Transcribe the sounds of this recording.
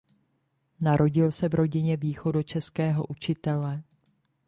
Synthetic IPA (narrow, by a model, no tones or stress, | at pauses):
naɾʔo̞ɟɪlsɛvɾo̞ɟɪɲɛviːxo̞do̞t͡ʃɛskɛːɦo̞̰ʔut͡ʃɪt̪ɛlɛ